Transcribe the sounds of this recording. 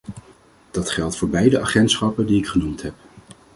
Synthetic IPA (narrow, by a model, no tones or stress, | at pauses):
d̥ɑtχɛlˠtfʊːɹbɛjdəʔaχɛntsχɑpəndiɪkχənumtɦɛp̚